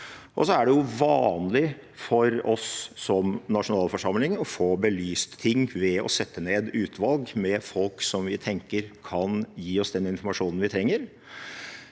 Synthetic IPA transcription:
ʔɔ̰sɔæɖɛjʊʋɑːnlɪ | fɔɾɔsːɔmnɑʂʊnɑːlfɔʂɑmlɪŋɔfoːbəlyːst̪ʰːɪŋːʋɛɔ̰sɛt̪ʰːəneːd̪ʉːt̪ʰʋɑlɡmɛfɔlksɔmʋɪt̪ʰɛŋkəɾkʰɑnjiːɔsd̪ɛnɪnfʊɾmɑʂuːnənʋɪt̪ʰɾɛŋːəɾ

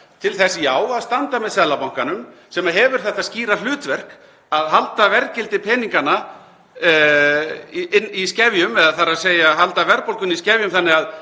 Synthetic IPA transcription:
t̪ʰɪlθɛsɪjaːwaðst̪ant̪amɛðsɛðlapawŋ̥kanʏmsɛmaɦɛvʏɾ̥θɛht̪asciːɾalʏːt̪vɛr̥k | aðɦalt̪avɛɾcɪlt̪ɪpʰɛːniŋkana | ɪnːiscɛːvjʏmɛðaðθaɾaðseːjaɦalt̪avɛɾpolkʏniscɛːvjʏmθanːɪɣað

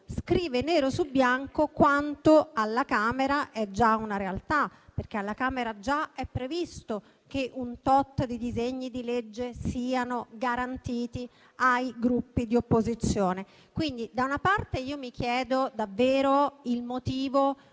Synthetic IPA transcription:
skɾiːveneːɾosubːjaŋkokwant̪oalːakaːmeɾaʔɛd͡ʒːaunaɾealt̪aperk̟ealːakaːmeɾad͡ʒaɛpːɾevist̪o | k̟eʔunt̪ɔt̪ːd̪id̪izeɲːid̪iled͡ʒːesiːanoɡaɾant̪iːt̪i | ajɡɾupːid̪iopːozit̪sːjoːne | kwind̪id̪aunapart̪eiːomikjɛːd̪od̪avːeːɾoilmot̪iːvo

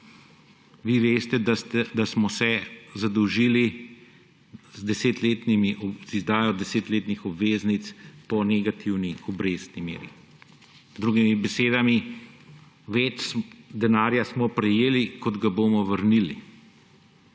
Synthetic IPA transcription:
ʋiʋeːst̪ɛd̪ast̪ɛd̪asmɔsɛzad̪ɔwʒiːli | zd̪ɛseːt̪leːt̪nimiʔzizd̪aːjɔd̪ɛseːt̪leːt̪nixɔbʋeːznit̪spɔnɛɡat̪ʰiwniɔbɾeːst̪nimḛːɾi | zd̪ɾuːɡimibɛseːd̪ami | ʋɛːt͡ʃsd̪ɛnaːɾjasmɔpɾɛjeːlikɔd̪ɡaboːmɔʋəɾnili

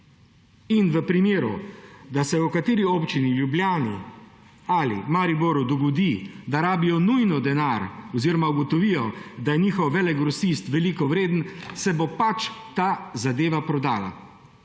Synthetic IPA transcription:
inʋəpɾimeːɾṵd̪asɛɔkat̪eːɾioːpt͡ʃinilʲjublʲjaːni | alḭmaɾiboɾud̪ɔɡɔd̪id̪aɾaːbijɔnujnɔd̪ɛnaɾɔziːɾɔmauɡɔt̪ɔʋiːjɔd̪ajɛniːxɔwʋɛlɛɡɡɾɔsist̪ʋɛliːkɔʋɾeːd̪n̩sɛbopat͡ʃt̪aːzad̪eːʋapɾɔd̪aːla̰

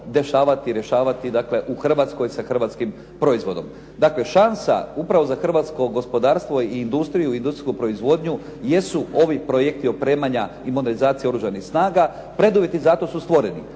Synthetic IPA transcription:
d̪e̞ʃaːʋat̪iɾje̞ʃaːʋat̪id̪akle̞ʔuxr̩ʋat̪sko̞jsaxrʋat̪skim | pɾo̞izʋo̞d̪o̞̰m | d̪akle̞ʃansa̰upɾaʋo̞zaxr̩ʋat̪sko̞ɡo̞spo̞d̪aːɾst̪ʋo̞iːnd̪ust̪ɾijuind̪usɾiskupɾo̞izʋo̞d̪ɲu | je̞suo̞ʋipɾojekt̪iopɾe̞ːmaɲa | imod̪elizaːt̪sieo̞ɾuʒanixsnaːɡa | pɾe̞d̪uʋje̞t̪izat̪o̞sust̪ʋo̞ɾenḭ

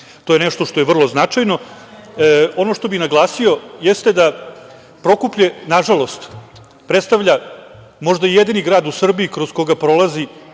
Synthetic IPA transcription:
t̪ojenɛʂt̪oʂt̪o̞jeʋr̩lˠo̞znat͡ʂajno̞ | o̞noʂt̪o̞bixnaɡlˠaːsio̞jest̪e̞d̪a | pɾo̞kupʎenaʐalo̞st̪ | pɾet̪st̪aʋʎʲa | mo̞ʐd̪aijed̪iniɡɾaːd̪usr̩biikɾo̞z̥ko̞ɡapɾo̞lˠazi

